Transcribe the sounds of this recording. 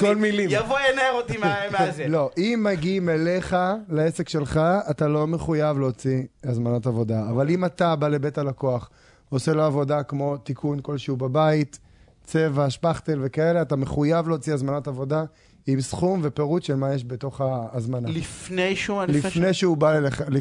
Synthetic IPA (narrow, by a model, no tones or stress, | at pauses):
kolmilimjavojeneeʁot̪imemzelo̞ʔimːaɡimele̞χalaesekʃe̞lχaːtalo̞meχujavleot͡siazmanatavo̞d̪aːvalimat̪abalebe̞talako̞aχ | oseloavo̞dakmo̞t̪ikʰunko̞lʃeubabait̪ | t͡sevaʃpaχt̪elve̞kaele̞atameχujavleot͡siazmanotavo̞da | imsχumve̞pe̞ʁutʃelmajeʃbeto̞χaːzmanaifnejʃuliffnejʃeubaleleχal